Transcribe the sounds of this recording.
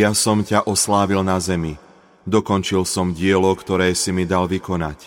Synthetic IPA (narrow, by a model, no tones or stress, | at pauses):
jasɔmcaʔɔslaːʋilnazɛmi | d̪ɔkɔnt͡ʃilsɔmɟɪɛlɔkt̪ɔɾɛːsimid̪alʋikɔna̰c